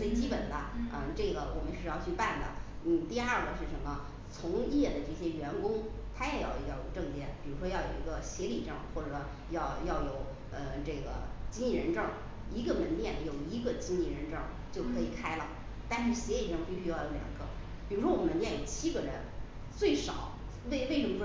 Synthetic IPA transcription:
t͡swe˥˩ɪt͡ɕi˥pə˨˩nd̪ə˦ə˧ʈ͡ʂɤ˥˩ɡə˩wɔ˨˩mə˦nʂɻ̩˥˧jɑ˥˧ʊt͡ɕʰy˥˧pa˥˩nd̪ə̰˩n̩˥˩t̪i˥˧ɐ˥˩ɡə˨˩ʂɻ̩˥˩ʂə˧˥mə˧ | t͡sʰʊ˧˥ŋjɛ˥˩d̪ə˩ʈ͡ʂɤ˥˩ɕjɛ˥ɥɛ˧˥nkʊ˥ŋ | t̪ʰa˥jɛ˨˩jɑ˥˩ʊ˧˥ɑ˥˩jo̰˨˩ʊʈ͡ʂɤ˥˧ŋt̪jɛ̰˥˩npi˨˩ɻu˧˥ʂwɔ˥jɑ˥˩ʊjo̰˨˩ʊi˧˥ɡə˧ɕjɛ˧˥li˨˩ʈ͡ʂɤ˥˩ŋxwɔ˥˩ʈ͡ʂɤ˧˦ | jɑ˥˧ʊjɑ˥˩ʊjo˨˩˦ʊ | ə˧ʈ͡ʂɤ˥˩ɡə̰˩t͡ɕi˥ni˥˩ɻə˧˥nʈ͡ʂɤ˥˧˩ŋ | i˧˥ɡə˧mə˧˥nt̪jɛ˥˩njo˨˩ʊi˧˥ɡə˧t͡ɕi˥ni˥˩ɻə˧˥nʈ͡ʂɤ˥˩ | t͡ɕjo˥˩ʊkʰɤ˧˥i˨˩kʰa˥ɪlə˨ | t̪a˥˧nʂɻ̩˥˩ɕjɛ˧˥li˨˩ʈ͡ʂɤ˥ŋpi˥˩ɕy˥jɑ˥˩ʊjo˧˥ʊljɑ̰˨˩ŋɡə˧˦ | pi˨˩ɻu˧˥ʂwɔ˥wɔ˨˩mə˧˥nt̪jɛ˥˩jo˨˩ʊt͡ɕʰi˥ɡə˨ɻə˧˥n | t͡swe˥˩ɪʂɑ˨˩˦ʊ | we˥˧ɪwe˥˧ɪlu˥˧˩ʈ͡ʂ

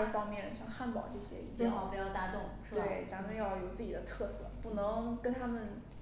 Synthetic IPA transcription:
ə˥˩fɑ˥ŋmjɛ˥˧nɕjɑ˥˧ŋxa˥˩npɑ˨˩ʊʈ͡ʂɤ˥˩ɕjɛ̰˥ḭ˥˩t͡ɕjpjɑ˥˧˩ʊt̪a˧˥t̪ʊ˥˩ŋʂwe˥˩ɪt͡sa˧˥mə˧jɑ˥˩ʊjo˨˩ʊt͡sɹ̩˥˩t͡ɕi˨˩d̪ə˦t̪ʰɤ˥˧sɤ˥˩pu˥˩nɤ˧˥ŋkə˥nt̪ʰa˥mə˨n

